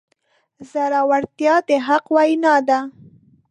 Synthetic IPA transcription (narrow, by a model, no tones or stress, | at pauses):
zaɾawaɽt̪jɑd̪eɦaqwɑjinad̪a